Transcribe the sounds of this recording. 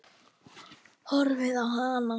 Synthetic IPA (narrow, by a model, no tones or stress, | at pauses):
hɔɾvɪðawɦana